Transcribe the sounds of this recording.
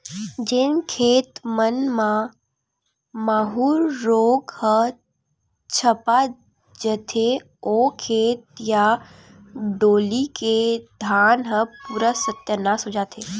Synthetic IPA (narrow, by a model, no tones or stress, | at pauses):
d͡ʒenkʰeːt̪mənmã | maːɦuːlːoːɡhə | t͡ʃʰəpa | d͡ʒət̪ʰe | okʰeːt̪̚ja | ɖoːliked̪ʱaːnɦəpuːɾəsət̪jənasʊd͡ʒat̪ʰeː